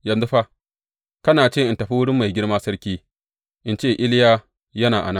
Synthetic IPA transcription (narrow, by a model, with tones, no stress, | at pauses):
jɐ˨nzu˦ɸa˦ | kɐ˦naː˨t͡ʃeː˦˨ʔɪ˨ntɐ˨ɸi˦wʊ˦ɽɪ˦mːa˨jɡʲɪ˦ɽmaː˦sɐ˦ɽkʲiː˦ | ʔɪ˦nt͡ʃeː˦˨ʔɪ˦ljaː˦ | jɐ˦naː˨ʔa̰˨na˦